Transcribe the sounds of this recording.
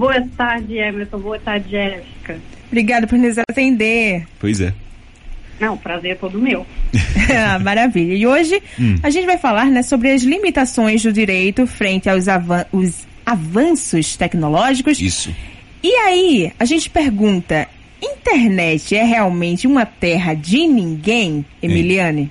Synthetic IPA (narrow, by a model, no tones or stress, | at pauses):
boɐt̪aɾd͡ʒɪɛmisõboɐt̪aɾɪd͡ʒɪɛfi̥kɐbɾiɡad̪ʊpʊɾnezaɾat̪ẽnd̪epojzɛ̰ | nɐ̃w̃pɾazeɾɛt̪od̪ʊmew | maɾaviʎɐɪoʒɪaʒẽnt͡ʃɪvajfalaɾnɛsobɾɪɐzlimit̪asõj̃zd̪ʊd͡ʒiɾejt̪ʊfɾẽnt̪ɪawzavɐ̃ʊz | avɐ̃sʊst̪ɛknolɔʒikʊsḭsʊ̰ | ɪaiaʒẽnt͡ʃɪ̥peɾɡũnt̪ɐ | ĩt̪eɾnɛt͡ʃɪɛɦeawmẽnt͡ʃɪũmɐt̪ɛɦɐd͡ʒɪnĩŋɡẽj̃emiliɐ̃nɪ